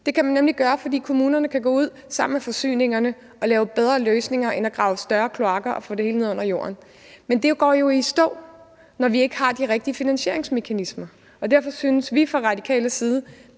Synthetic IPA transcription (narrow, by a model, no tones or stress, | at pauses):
d̥e̝kʰæmænːemliɡ̥ɶːɐfɒ̽d̥ḭːkʰo̝muːnɐnəkʰæɡ̥ɔ̰ːuð̰ˠsɑ̈m̰n̩mefɒ̽sy̰ːne̝ŋɐnə | ʔɒ̽lɛːʊb̥eð̞ˠʁɐːløːsne̝ŋɐʔenæɡ̥ʁɑ̈ʊəsd̥ɶɐkʰloɑ̈ɡ̥ɐʔɒ̽fɔ̰̽ːd̥ehe̝ːləne̝ð̰ˠɔ̰̽ɐjo̝̰ːɐn | mend̥e̝ɡ̥ɒ̰ːjo̝isd̥ɔ̰̽ːʊ | nɒʋie̝ɡ̥əhɑ̈d̥iʁɛɡ̥̚d̥iəfinænɕe̝ɐe̝ŋsme̝kʰænismɐ | ɒ̽dæɐfɒ̽synəsʋifʁɑ̈ʁɑ̈dikʰɛ̰ːləsiːð̞ˠə